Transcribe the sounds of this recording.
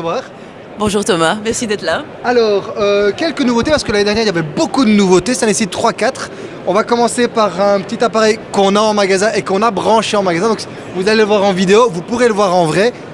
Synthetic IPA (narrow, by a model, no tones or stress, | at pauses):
vwaːʁ | bɔ̃ʒuːʁt̪ɔmamɛʁsid̪ɛt̪la | alɔːʁøkʲɛlkənuvot̪epaʁsə̥kəlaned̪ɛʁnjɛʁiljavɛbokud̪ənuvot̪eset̪ɛ̃nesit̪ːχwakat̪χ | ɔ̃vakɔmɑ̃sepaʁɛ̃pət̪it̪apaʁɛjkɔ̃naɑ̃maɡazɛ̃ʔekɔ̃nabʁɑ̃ʃeɑ̃maɡazɛ̃d̪ɔ̃k | vuzaleləvwaʁɑ̃vid̪eovupuʁeləvwaʁɑ̃vʁɛ